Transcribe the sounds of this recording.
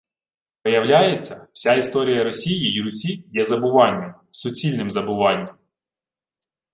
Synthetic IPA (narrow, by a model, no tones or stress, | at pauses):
pɔjɐwlʲajet͡sʲːɐwsʲaist̪ɔɾʲijɐɾɔsʲijijiɾʊsʲijɛzɐbʊʋɑnʲːɐm | sʊt͡sʲilʲnɪmzɐbʊʋɑnʲːɐm